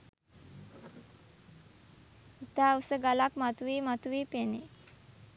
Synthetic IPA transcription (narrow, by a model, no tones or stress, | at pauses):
it̪ausəɡalakmat̪uʋiːmat̪uʋiːpene